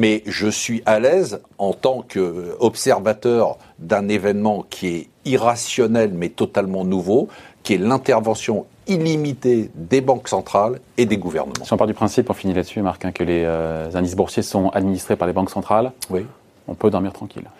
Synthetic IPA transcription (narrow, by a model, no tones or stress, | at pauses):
mɛʒəsɥiʔalɛzɑ̃t̪ɑ̃kɔpsɛʁvat̪œʁ | d̪ɛ̃nevɛnmɑ̃kʲʰiɛ | iʁasjɔnɛlmɛt̪ɔt̪almɑ̃nuvokʲiɛlɛ̃t̪ɛʁvɑ̃sjɔ̃ | ilimit̪ed̪ebɑ̃ksɑ̃t̪χaled̪eɡuvɛ̰ʁnə̰mɑ̃siɔ̃paʁld̪ypχɛ̃sipɔ̃finilad̪əsymaʁkɛ̃kəleøzɛ̃d̪is̬buʁsesɔ̃ad̪minist̪χepaʁlebɑ̃ksɑ̃t̪χalwi | ɔ̰̃pød̪ɔʁmiʁt̪χɑ̃kʲḭl